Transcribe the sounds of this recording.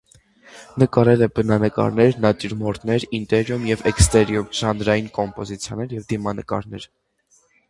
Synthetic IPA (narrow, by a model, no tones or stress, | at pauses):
nəkɑɾɛlɛbənɑnəkɑ̰ɾnɛɾnɑt̪iɾmɔɾt̪nɛɾint̪ɛɾjumjɛvɛkst̪ɛɾjumʒ̥ɑnd̪ɾɑjinkɔmpɔzit͡sʰjɑnɛɾjɛvd̪imɑnəkɑ̰ɾnɛɾ